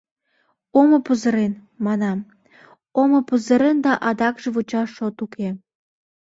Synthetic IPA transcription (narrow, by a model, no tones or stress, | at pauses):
oməpəzə̆ɾen | mɑnɑm | oməpəzəɾend̪ɑʔɑd̪ɑkʒeβot͡ɕɑʃːot̪ukʰe